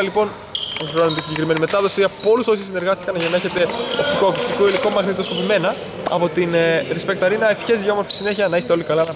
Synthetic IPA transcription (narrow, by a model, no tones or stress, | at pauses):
ɐlipo̞n | ɐlosɾonot̪isiɲɟekɾime̞nime̞t̪ɐðo̞siɐolusosisine̞ɾɣɐst̪i̥kɐnʝɐnɐeçe̞t̪e̞opt̪ikoɐkust̪ikoiliko̞mɐɣnit̪ost̪opime̞nɐ | ɐ̰po̞t̪inɾispe̞kt̪ɐɾinɐefçe̞zʝɐomost̪i̥sine̞çiɐnɐist̪eo̞likɐlɐnɐ